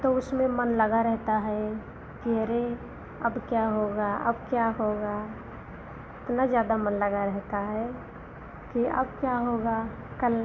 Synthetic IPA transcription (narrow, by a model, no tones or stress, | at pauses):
t̪oʊsmẽmənləɡaɾɛɦt̪aɦɛ | kiəɾe | əbkjaɦoɡaə̰bkjaɦoɡa | ɪt̪nazjaːd̪amənləɡaɾɛɦt̪aɦɛ | kiə̰bkjaɦoɡa | kəl